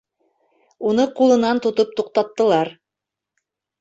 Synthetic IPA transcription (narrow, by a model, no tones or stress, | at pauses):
unɤqulˠɤ̆nɑnt̪ŏt̪ɤp̚t̪uq̚t̪ɑt̪ːɤ̆lˠɑɾ